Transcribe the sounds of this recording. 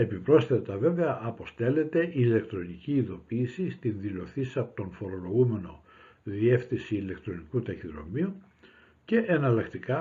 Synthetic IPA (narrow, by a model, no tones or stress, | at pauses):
e̞pipɾo̞sθet̪ɐve̞veɐʔɐpo̞st̪e̞le̞t̪e̞ʔile̞kt̪ɾo̞niciːðo̞piːsist̪inðilo̞θisɐpot̪o̞nfo̞ɾo̞lo̞ɣume̞no̞ | ðie̞fθisiːle̞kt̪ɾo̞nikut̪ɐçiðɾo̞̰miu | ce̞ʔenɐlɐkt̪ikɐ